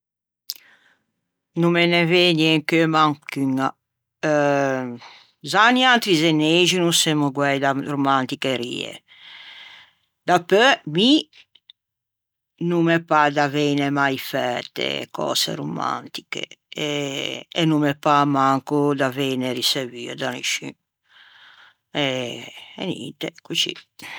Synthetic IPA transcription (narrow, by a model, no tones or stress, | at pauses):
numeneveɲiɛŋkømaŋkyŋa | zaniant̪ɾizeneʒinusemuɡwɛjd̪aɾumant̪ikeɾḭḛ | d̪apømi | numɛpad̪avenemajfɛt̪ḛkɔ̰sḛɾuma̰nt̪i̥kḛɛɛnumɛpamaŋkud̪aveneɾiseviːɛd̪anḭʃḭ̃ | ɛ | ɛ̰nḭnt̪ekut͡ʃḭ